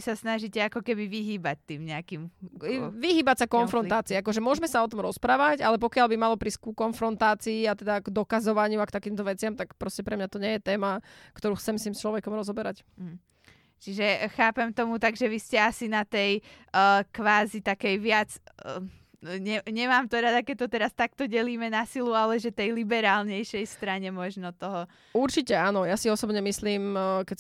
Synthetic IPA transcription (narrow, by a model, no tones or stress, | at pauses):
isasnaʒicɛakɔkɛbiʋiɦiːbac̚t̪iːmɲɛakim | ʋiɦiːbacsakɔnfɾɔnaːt͡siːakɔʒɛmʊɔʒmɛsaɔt̪ɔmɾɔspɾaːʋacalɛp̬ɔkɪaʎbimalɔpɾiskukɔnfɾɔnt̪aːt͡siːat̪ɛd̪aɡd̪ɔkazɔʋaɲɪuakt̪akiːmt̪ɔʋɛt͡sɪamt̪akpɾɔscɛpɾɛmɲat̪ɔɲɛjɛt̪ɛːmakt̪ɔɾuːxt͡sɛmsimst͡ʃlɔʋɛkɔmɾɔzɔbɛɾac̩ | t͡ʃiʒɛxaːpɛmt̪ɔmut̪aɡʒɛʋiscɛasinat̪ɛj | kʋaːzit̪akɛjʋɪat͡s | ɲɛɲɛmaːmt̪ɔɾad̪akɛc̚t̪ɔt̪ɛɾast̪ak̚t̪ɔɟɛliːmɛnasilualɛʒɛt̪ɛjlibɛɾaːlɲɛjʃɛjst̪ɾaɲɛmɔʒnɔt̪ɔɦɔ | uɾt͡ʃicɛaːnɔjasiɔsɔbɲɛmisliːmkɛ